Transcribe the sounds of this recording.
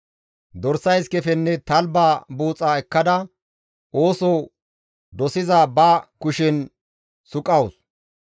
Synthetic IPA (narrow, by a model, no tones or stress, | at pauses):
d̪ɔɾsɐjskɛfɛnːɛt̪ɐlbaːbuːt͡sʼaːɛkːɐd̪ɐ | oːsɔ | d̪ɔsɪzabɐkʊʃɛn | sʊkʼɐws